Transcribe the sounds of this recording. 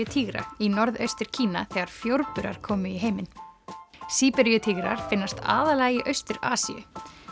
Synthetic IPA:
ʏt̪ʰiːɣɾa̰inɔɾðœ̰ɥst̪ɪɾ̥cʰiːnaθɛːɣaɾ̥fjowɾpʏɾa̰ɾ̥kʰɔːmʏiɦejmɪn | siːpɛɾjʏt̪ʰiːɣɾa̰ɾ̥fɪnːast̪a̰ːðalajɪʔœɥst̪ʏɾaːsḭjʏ̰

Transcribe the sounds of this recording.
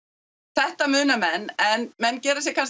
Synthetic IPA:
θɛht̪amʏːnamɛnːɛnmɛnːcɛːɾasjɛkʰans

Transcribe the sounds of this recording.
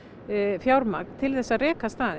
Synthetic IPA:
fjawɾma̰k̚nt̪ʰɪlθɛsːarɛːkast̪aːðɪ

